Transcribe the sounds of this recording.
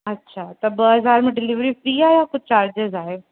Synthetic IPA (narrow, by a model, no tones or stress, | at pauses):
ɐtːʃʰaːt̪ɐbɐɦɐzaːɾmẽɖɪlɪʋɾifɾiːaːɦejakʊt͡ɕaːɾd͡ʑɪzaːɦe